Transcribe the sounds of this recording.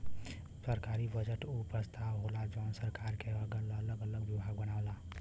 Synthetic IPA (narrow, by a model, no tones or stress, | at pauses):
səɾkaɾibəd͡ʒəʈupɾəst̪ʰawɦolad͡ʒəʊnsəɾkaɾkeəɡələləɡələɡwjibʱaɡbənaʊla